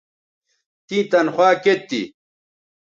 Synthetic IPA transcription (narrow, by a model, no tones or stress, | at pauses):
t̪ĩːt̪ɐnχwaːket̪ːḭ